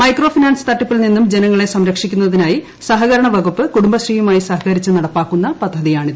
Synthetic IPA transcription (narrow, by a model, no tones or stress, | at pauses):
mɐjkro̞ːfinaːnsɨ̥t̪ɐʈːupːilninːumd͡ʑenɐŋːɐɭe̞sɐmɾɐkʂikʲːunːɐðinaːji | sɐɦɐɣɐɾɐɳɐʋɐɡupːɨkuɽumbɐɕriːjumaːjisɐɦɐkɐɾit͡ɕːɨnɐɽɐpːaːkːunːɐpɐd̪ʱːɐðijaːɳiðɨ